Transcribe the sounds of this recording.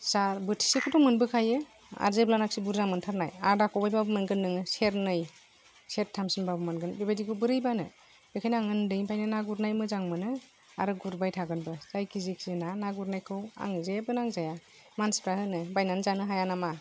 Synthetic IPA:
saɾbɯtʰi̥sekʰudɔŋmɯnbɯkʰajɯ | a̰ɾzeblanak̚sibuɾzamɯntʰaɾnajaɾdakʰɔwbajbabɯmɯnɡɯnːɯŋɯseɾnɯj | set̚tʰːamsɯnbabɯmanɡɯnbibajdikʰɯwbɯɾɯjbanɯ | b̥ekʰajnaŋɯndɯjmpʰajnɯnaɡuɾnajmɯzaŋmɯnɯ | a̰ɾɯɡuɾbajtʰaɡɯnbɯz̥ajkʰiziksinanaɡuɾnajkʰɯwa̰ŋzebɯnaŋzaja | manspʰɾahɯnɯbajnanzanɯɦajanama

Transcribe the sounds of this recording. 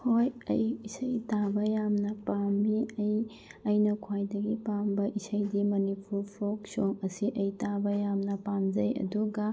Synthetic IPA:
hojɐ̰jisɐjtabɐjamnɐpamiɐj | ɐjnɐkʰwajdɐɡipambɐʔisɐjdimɐnipʰuɾpʰok̚soŋɐsiʔɐjtabɐjamnɐpamd͡ʒɐjɐ̰duɡɐ

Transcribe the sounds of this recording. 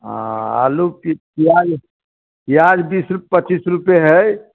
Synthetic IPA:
ɦã̰a̰lupipiad͡ʒ | ijad͡ʒbisɾuppət͡ʃisɾupeɦɛj

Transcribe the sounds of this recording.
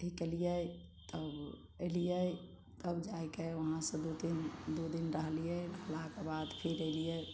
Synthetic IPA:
ʈʰikːelijət̪əb | əɪlijə | t̪əbd͡ʒajkeonasə̃d̪od̪ind̪od̪inɾəɦlijəbʱəlakebad̪pʰeɾəɪlijə

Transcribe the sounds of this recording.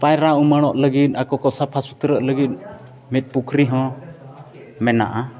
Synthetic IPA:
pajɾaumaɽ̃ɔʔləɡit̪̚ˀakɔkɔsapʰasut̪ɾəʔləɡit̪̚ | mit̪̚ˀpukʰɾiɦɔ̃ | mɛna̰ʔa

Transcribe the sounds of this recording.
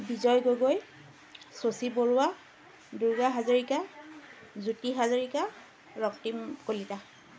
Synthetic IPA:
bizɔjɡoɡoj | sosiboɹʊwa | duɹɡaɦazoɹika | zutiɦazoɹika | ɹɔktimkolita

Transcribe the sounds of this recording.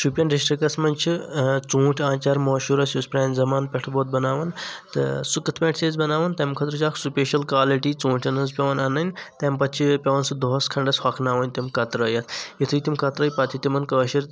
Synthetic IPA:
ʃʰupʲjɐnɖisʈɾikɐsmɐnʲt͡ʃʰit͡sũːʈʰʲãːt͡ʃaːɾmoːʃuɾɐsjuspɾʲaːnʲzɐmaːnpʲeʈʰboːt̪̚bɐnaːʋɐnt̪ɨ̰sukɨt̪ʰpʲẽːʈʰseːzbɐnaːʋɐnt̪ɐmkʰɐt̪ɾɨt͡ʃaːkʰsupʲeːʃɐlkwaːliʈiːt͡sũːʈʰʲɐnɐzpʲɐʋɐnanɐnʲt̪ɐmpɐt̪t͡ʃʰipʲɐʋɐnsɨd̪oɦɐskʰɐɳɖɐshɐkʰnaːʋɐnʲt̪imkɐt̪ɾɐjɐt̪ʰjit̪ʰɨjt̪imkɐt̪ɾɐːjpɐt̪ʰit̪imɐnkəːʃiɾ

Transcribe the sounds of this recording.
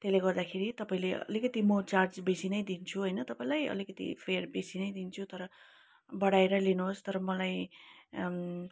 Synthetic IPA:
t̪eleɡʌrd̪akʰeɾit̪ʌpaĩleʌ̰likʌt̪imʌt͡sard͡zbesinʌjd̪int͡sʰuɦʌjnʌt̪ʌpaĩlajʌ̰likʌt̪ḭpʰerbesinʌjd̪int͡sʰut̪ʌɾʌ | bʌɽaeɾʌlinuɦost̪ʌɾʌmʌlaj

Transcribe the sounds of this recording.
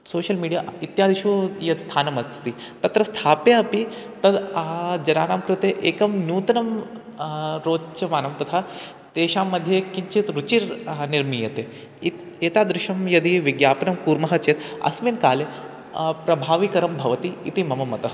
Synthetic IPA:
soːʃɐlmiːɖija̰ːit̪jaːd̪iʃujɐst̪ʰaːnɐmɐt̪i | t̪ɐt̪ɾɐst̪ʰaːpjeɐpit̪ɐd̪ad͡ʒɐnaːnaːmkɾut̪eʔeːkɐmnjuːt̪ɐnɐm | ɾoːt͡ʃɐʋaːnɐmt̪ɐt̪ʰa | t̪eːʃaːmːɐd̪ʱjekiɲt͡ʃit̪ɾut͡ʃiɾniɾmiːjɐt̪eː | it̪ | eːt̪aːd̪ɾɪʃɐmjɐd̪iʋiɡjaːpɐnɐmkuːɾmɐɦɐt͡ʃeːt̪ɐ̰sʋeːnkaːle | pɾɐbʱaːʋikɐɾɐmbʱɐʋɐt̪iːt̪imɐmɐmːɐt̪ɐɦ

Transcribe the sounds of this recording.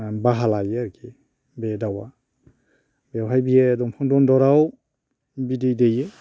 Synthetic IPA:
baɦalajeaɾɡi | bedawa | bewɦajbijedɔmpʰɔŋdɔndɔɾaw | bidejdeje

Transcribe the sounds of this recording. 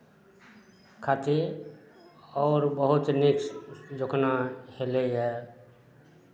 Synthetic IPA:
kʰat̪i | ɔːɾbəɦʊt̪nɪkd͡ʒokʰnaheleɦɛ

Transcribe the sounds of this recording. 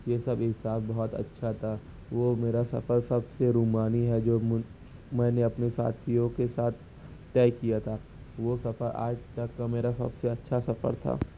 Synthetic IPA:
jesɐbɦɪsaːbbɐɦɔt̪ɐ̰tːʃʰat̪ʰa | ʋoːmeːɾasɐ̰fəɾsɐbseɾuːmaːniɦɛd͡ʒoː | mɛ̃ːneɐpnesa̰ːt̪ʰijõkesaːt̪̚ʰ | t̪ɛːkijat̪ʰaː | ʋosɐfəɾʔa̰ːd͡ʒt̪ɐkːameːɾasɐ̰bseɐtːʃʰasɐfə̰ɾt̪ʰa̰ː

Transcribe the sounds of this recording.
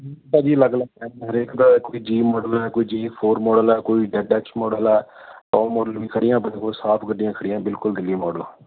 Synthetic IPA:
t̪aːd͡ʒiːləɡlaːɛːnɦəɾeːkd̪aːkoːiːd͡ʒiːmɔːɖəlɛːkoːiːd͡ʒiːpʰoːɾmɔːɖəlɛːkoːiːɖɛʈɛːksmɔːɖəlɛːtɔːmɔːɖəlʋiːkʰəɽɪjãːpənĩːkʰosaːpʰɡəɖɪjãːkʰəɽɪjãːbɪlkʊld̪ɪlːiːmɔːɖəlãː

